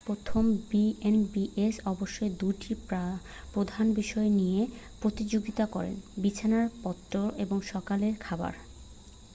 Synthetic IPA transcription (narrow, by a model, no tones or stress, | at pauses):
pɾot̪ʰombienbiʔesɔboʃːoed̪uʈipa | pɾod̪ʱanbiʃɔenijepɾot̪id͡ʑoɡit̪akɔɾḛnbit͡ɕʰanaɾpɔt̪ːɾoeboŋʃɔkaleɾkʰaba̰ɾ